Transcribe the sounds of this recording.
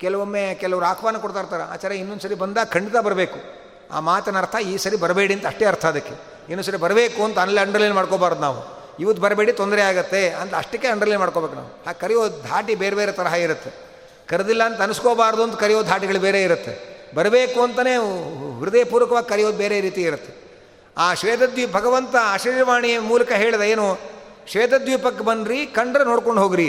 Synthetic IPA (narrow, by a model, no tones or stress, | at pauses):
kɛlɐʋomːekɛlɐʋɐɾuaːkʰʋaːnɐkoɽt̪aːɾt̪aːɾɐa̰ːt͡ʃɐːɾeinːond̪sɐɾibɐnd̪aːɡkʰɐɳɖit̪abɐɾɐbeːku | a̰ːmaːt̪ɐnɐɾt̪ʰɐiːsɐɾibɐɾɐbe̞ːɽiɐnt̪ɐʂʈeɐɾt̪ʰɐd̪ɐkːe̞ | inːuːsɐɾibɐɾɐbeːkuɐnt̪ɐɐnːɐlːiɐɳɖɾɐliːnmaːɽkoːbaːɾd̪unaːʋṵ | iʋɐːubɐɾbe̞ːɽit̪ond̪ɾeaːɡɐt̪ːe̞ɐnt̪ɐʂʈikːeɐɳɖɾɐlinmaːɽko̞ːbekuna̰ːʋuhaːɡkɐɾɛjoːd̪ʱaːʈibeːɾebeːɾet̪ɐɾɐɦɐiɾut̪ːe | kɐɾɐd̪ilːɐːnt̪ɐɐnuskoːbaːɾd̪uɐnt̪ɐkɐɾɛjoːd̪ʱaːʈiɡɐɭubeːɾeːiɾut̪ːebɐɾɐbeːkuɐnt̪ɐneːʋiɾud̪ejɐpuːɾʋɐkɐʋaːɡikɐɾɛjoːd̪beːɾeɾiːt̪ijiɾut̪ːe | aːʃʋeːd̪ɐd̪jiːbʱɐɡɐʋɐnt̪ɐʃiɾjɐʋaːɳijɐmuːlɐkɐɦeːɭid̪ɐeːnu | ʃʋeːd̪ɐd̪juːpɐkːebɐnɾikɐɳɖɾenoːɽko̞ɳɖɦoːɡiɾi